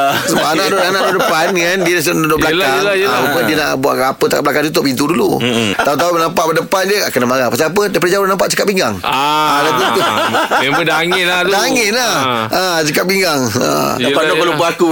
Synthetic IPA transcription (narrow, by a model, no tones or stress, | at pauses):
səbanãʔdonanãʔdodəpankandiədasdoblalaalaapapədiəna̰ʔbua̰ʔkapət̪aka̰blakant̪ut̪̬ʊʔpint̪̬udulṵt̪aut̪̬auənãmpaʔpadəpandiəa̰kanamaɾapastiap̬ədiap̬adəd͡ʒawonãmpa̰ʔt͡ʃəkat̪ʔ̚piŋɡaŋaaadat̪ut̪ʊeədaŋɪnaddaŋɪnaat͡ʃəkat̪̚piŋɡaŋa̰ | apadobəlubəaku